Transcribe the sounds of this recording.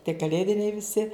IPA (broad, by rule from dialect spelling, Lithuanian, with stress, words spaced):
tʲiɛ kɐˈlʲeːdʲɪnʲɛɪ ʋʲɪˈsʲɪ